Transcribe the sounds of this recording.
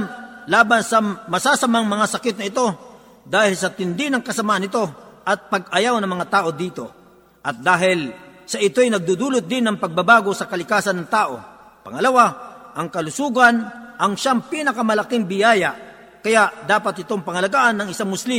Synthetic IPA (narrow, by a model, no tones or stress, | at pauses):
laːbɐnsɐmɐsaːsɐmaŋmɐŋasɐkɪt̪̚nɐʔɪt̪o̞ | d̪aːhɪlsɐt̪ɪnd̪ɪnɐŋkɐsɐmaːʔɐnɪt̪o̞ʔɐt̪̚pɐɡ̚ɐjawnɐŋmɐŋat̪aːʔo̞d̪iːt̪o̞ | ʔɐt̪̚d̪aːɦɪlsɐʔɪt̪o̞jnɐɡ̚d̪ud̪uːlʊt̪̚d̪ɪnːɐŋpɐɡ̚bɐbaːɡo̞sɐkɐlɪkaːsɐnɐŋt̪aːʔo̞̰ | pɐ̰ŋɐlɐwaʔɐŋkɐlʊsuːɡɐnʔɐŋʃaŋpiːnɐkɐmɐlɐkɪŋbɪjaːjɐʔ | kɐjaʔd̪aːpɐt̪̚ɪt̪oŋpɐŋɐlɐɡaːʔɐnːɐŋɪsaŋmʊslim